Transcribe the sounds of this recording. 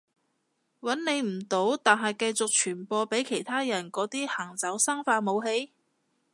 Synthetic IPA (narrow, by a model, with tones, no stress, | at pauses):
wɐ˨˥nne˨˧jm̩˨˩t̪o˨˥wt̪aː˨nɦɐ˨jkɐ˧jt͡sʊ˨k̚t͡ʃʰyː˨˩npɔː˧pe˨˥jkʰe˨˩jt̪ʰaː˥jɐ˨˩nkɔː˨˥t̪iː˥hɐː˨˩ŋt͡sɐ˨˥wsaː˥ŋfaː˧mo˨˧wɦe˨˧˥j